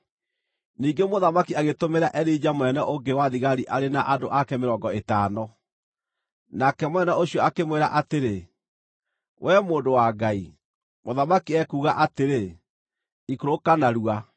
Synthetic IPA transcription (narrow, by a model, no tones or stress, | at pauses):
niːŋɡemoðamakiaɣetomeɾaʔɛɾid͡ʑamwɛnɛʔoɡewaðiɣaɾiʔaɾenaʔadoʔakɛmeɾɔːɡɔetaːnɔ | nakɛmwɛnɛoɕiɔakemweɾaʔateɾe | wʔɛmoːndowaɡai | moðamakiɛkuːɣaʔateɾe | ikoɾokanaɾua